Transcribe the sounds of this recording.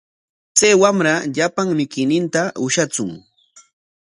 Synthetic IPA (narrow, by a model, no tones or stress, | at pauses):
t͡sajwamɾaʎapaŋmɪkɪjnɪnt̪aʊʃat͡sʊŋ